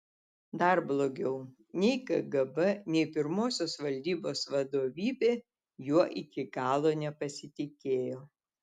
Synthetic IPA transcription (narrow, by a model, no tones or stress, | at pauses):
d̪ɐɾblˠoːɡʲɛʊ | nʲɛɪkɐɡɐbɐnʲɛɪpʲɪɾmoːsʲoːsʋɐlʲd̪ʲiːboːsʋɐd̪oːʋʲiːbʲeː | juɔʔɪkʲɪɡɑːlˠoːnʲɛpɐsʲɪt̪ʲɪkʲeːjoː